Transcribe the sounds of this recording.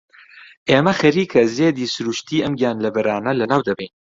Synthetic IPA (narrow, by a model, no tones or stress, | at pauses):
ʔeːmɐxɐɾiːkʰɐzeːd̪iːsʊɾuːʃt̪ʰiːʔɐmɡijaːnlɐbɐɾaːnɐlɐnaːwd̪ɐbejn